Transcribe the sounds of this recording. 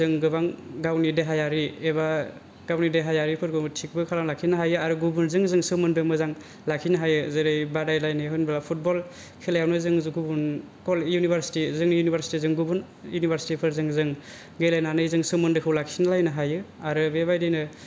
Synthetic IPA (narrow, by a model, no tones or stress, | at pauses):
zɯŋɡɯbaŋɡawnideɦajaɾieβa | ɡ̥awnideɦajaɾipʰɯɾɡɯtʰik̚bɯkʰalaŋlakʰinaɦajɯaɾɯɡubunzɯŋzɯŋsɯmɯndɯmɯzaŋ | lakʰinɯɦajɯzɯɾɯjbadajlajnɯɦɯnbalapʰut̚bɔl | kʰelajawnɯzɯŋzuɡubun | kɔljunibʱaɾsi̥tizɯŋnjunibaɾsi̥tizɯŋɡubun | junibʱaɾsi̥tipʰɯɾzɯŋzɯŋ | ɡejlajnanɯjzɯŋsɯmɯndɯkʰɯwlakʰinalajnɯɦajɯaɾɯbebajdɯjnɯ